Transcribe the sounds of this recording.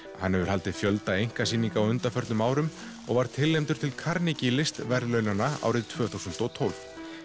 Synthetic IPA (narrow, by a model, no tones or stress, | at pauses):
hanːhɛvʏɾhal̪t̪ɪðfjœlt̪aejŋ̥kasiːniŋkaɔwʏnt̪afœɾt̪nʏmaːwɾʏm | ɔ̰ɣvaɾ̥t̪ʰɪlːejmt̪ʏɾ̥t̪ʰɪlkʰaɾnicɪlɪst̪vɛɾðlœɥnanaa̰ːwɾɪðt̪ʰvœːθuwsʏnt̪ɔt̪ʰowlv